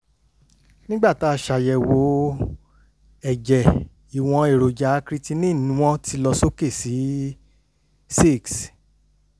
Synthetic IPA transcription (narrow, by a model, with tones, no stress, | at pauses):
nĩ˦ɡ͡ba˦˨ta˦˧˨ʃa˨jɛ˨wo˨˦ | ɛ˨d͡ʒɛ˨ | i˨w̃ɔ̃˧e˨ɾo˨d͡ʒa˨˦kɾi˦ti˦nĩ˦˨nũ˨˦w̃ɔ̃˦ti˧lɔ˧so˦ke˦˨si˨˦ | si˦˨ks